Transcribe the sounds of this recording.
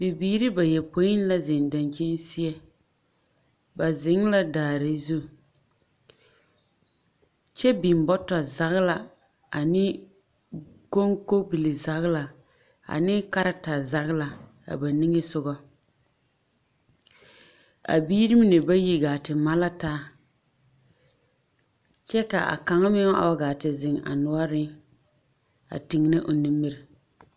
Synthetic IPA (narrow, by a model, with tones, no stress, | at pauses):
bɪ˨biː˦ɾɪ˦ba˨jɛ˨po˨˦ji˦n˦la˦zɪ˨nda˨nt͡ʃi˦n˦si˦ɛ˦ | ba˨zɪ˨˦ŋ˦la˦daː˨ɾɪ˨zu˦ | t͡ʃɛ˦bi˨m˨bɔ˦tɔ˨za˦ɣla˨ | a˨nɪ˦ | ko˦ŋko˦bi˨li˨za˦ɣla˨ | a̰˨nɪ˦ka˦ɾa˦ta˨za˦ɣla˨ | a̰˨ba˨ni˦ŋe˦sʊ˦ɡɔ˦ | a̰˨biː˦ɾi˦mɪ˦nɪ˨ba˦ji˦ɡaː˨tɪ˨ma˦la˦taː˦ | t͡ʃɛ˦ka̰˨a̰˨ka˨ŋa˦mɪ˦ŋ˦a̰˨wa˦ɡaː˨tɪ˨zɪ˨ŋa̰˨nʊ˦ɔ˦ɾɪ˦ | a̰˨tɪ˨ŋ˨nɪ˦ʔʊ˨ni˦mːi˦ɾɪ˨